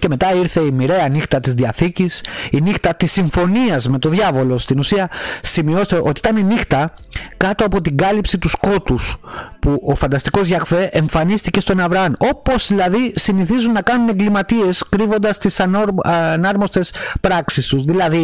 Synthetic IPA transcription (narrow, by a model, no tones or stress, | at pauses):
ce̞me̞t̪ɐiɾθe̞imiɾe̞ɐnixt̪ɐt̪izðiɐθicisinixt̪ɐt̪isːiɱfo̞niɐzme̞t̪o̞ðʝɐvo̞lo̞st̪inusiɐsimio̞st̪e̞ʔo̞t̪iit̪ɐnenixt̪ɐkɐt̪o̞ɐpo̞t̪iɡɐlipsit̪usko̞t̪uspuʔo̞fɐnd̪ɐst̪iko̞zʝɐkfe̞ʔeɱfɐnist̪ice̞st̪o̞nɐvɾɐɐno̞po̞zðilɐðisiniθizunːɐkɐnune̞ŋɡlimɐt̪ie̞skɾivo̞nd̪ɐst̪isɐ | nɐɾmo̞st̪e̞spɾɐksist̪uzðilɐði